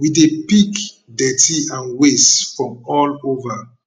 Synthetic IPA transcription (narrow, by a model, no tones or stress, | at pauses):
widepik | dɛtiãnwesfɹɔ̃mɔlova